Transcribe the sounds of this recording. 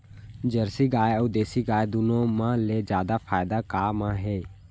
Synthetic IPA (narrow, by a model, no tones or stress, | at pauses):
d͡ʒəɾsiːɡaːeəd̪eːsiːɡaːed̪ʊnõːmãːleːd͡ʒjaːd̪aːfʰaːɪd̪aːkaːmãːɦeː